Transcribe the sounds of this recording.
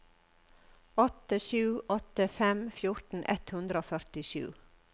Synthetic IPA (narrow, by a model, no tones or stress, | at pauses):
ɔt̪əʃʉːʔɔt̪əfɛmfjʊɾt̪n̩ʔɛ̰t̪hʉnd̪ɾəoːfœɾt̪ɪʃʉ̰ː